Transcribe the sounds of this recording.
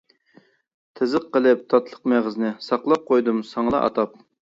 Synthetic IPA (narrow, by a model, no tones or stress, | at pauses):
t̪ʰɪzɨqʰːəlˠɪp̚t̪ʰɑt̪ʰlˠə̥qmæʁəznɪsɑqlˠɑp̚qʰojd̪ɨmsɑŋlˠɑ̰ʔɑ̰t̪ʰɑp̚